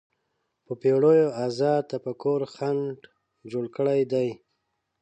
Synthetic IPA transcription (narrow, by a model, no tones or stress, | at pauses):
pəpeɽojoazɑt̪apəkoɾxaɳɖ | d͡ʒoɽkəɽajd̪aj